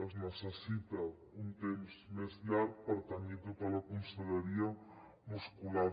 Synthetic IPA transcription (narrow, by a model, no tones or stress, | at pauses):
ɐʒnɔsɐsit̪ɐ | ũnt̪emuʃsmeslaɾpɐɾɐt̪ɐmẽt̪upɐlɐkõsɐlɐɾiɐ | muʃkulaɾ